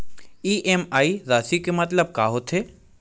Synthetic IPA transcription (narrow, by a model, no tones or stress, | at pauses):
iːʔemaːizaːsikemɐt̪ləb̚kaːɦot̪ʰeː